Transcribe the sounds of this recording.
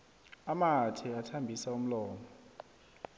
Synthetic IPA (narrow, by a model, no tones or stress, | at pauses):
amatʰiatʰambʱisaum̩lɔːmɔ